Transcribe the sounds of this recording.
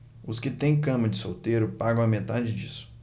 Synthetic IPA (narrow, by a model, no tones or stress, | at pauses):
ʊskɪt̪ẽj̃kɐ̃mɐd͡ʒɪsowt̪eɾʊpaɡɐ̃w̃ɐmet̪ad͡ʒɪd͡ʒisʊ̥